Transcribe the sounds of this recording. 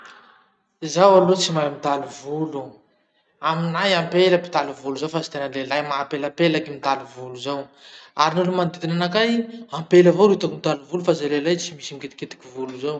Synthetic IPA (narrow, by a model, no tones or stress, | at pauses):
zawalot͡simajmit̪aluvulu | aminajampeləpi̥t̪aluvuluzawfazit̪enəlelajmapelapelakimit̪aluvuluzawaɾinulumand̪id̪inanakajampelavoɾit̪akimit̪aluvulufazalelajt͡simisimiket̪i̥ket̪i̥kʲivuluzaw